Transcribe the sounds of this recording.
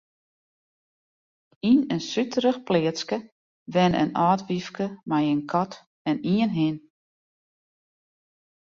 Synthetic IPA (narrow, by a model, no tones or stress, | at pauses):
inənsytʰəɾəxplɪəskə | ʋɛnə̰nɔːtʋifkəmajənkʰɔt | ɛniənɦɪn